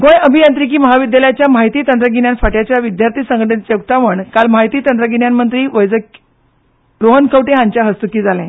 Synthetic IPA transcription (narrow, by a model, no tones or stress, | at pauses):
ɡõjəbʱijãnt̪ɾik̬iːməɦaʋid̪jaljat͡ɕjamaɦit̪iːt̪ənt̪ɾəɡiɳjanfaʈjat͡ɕjaʋid̪jaɾt̪ʰiːsə̃ŋɡəʈənt͡ɕeuk̚t̪aʋəɳkalmaɦit̪iːt̪ənt̪ɾəɡinjanmənt̪ɾiːʋəjd͡zə | ɾoɦənkʰəʋʈeɦãɲt͡ɕjaɦəst̪ukiːd͡zʱalɛ̃